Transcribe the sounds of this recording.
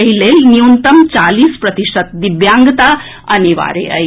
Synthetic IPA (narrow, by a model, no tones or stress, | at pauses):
ɐɦilelniunt̪əmt͡ʃaliːspɾɐt̪iʃət̪̚d̪iʋjaːŋɡt̪a | əniʋa̰ːɾḛə̰j